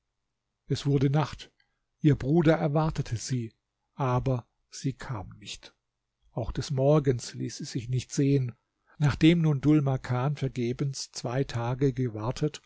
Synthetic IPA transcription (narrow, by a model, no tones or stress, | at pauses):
ʔɛsv̥ʊɐdənaχt | ʔiːɐbʁuːdɐɛɐvaɐtətʰəz̥iː | ʔaːbɐ | z̥iːkʰa̰ːmnɪçt | ʔaʊxd̥ɛsmɔɐɡənslḭːsɛz̥ɪçnɪçtz̥eːən | naːχd̥eːmnuːndʊlmakʰaːnfɛɐɡeːbənst͡sv̥aɪtʰaːɡəɡəvaɐtʰət